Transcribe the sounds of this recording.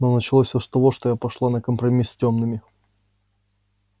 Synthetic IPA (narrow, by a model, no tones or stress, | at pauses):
nonət͡ɕɪlˠofʲsʲost̪ɐvoʂt̪ojapɐʂlˠanəkəmpɾɐmʲisʲtʲo̞mnɨmʲɪ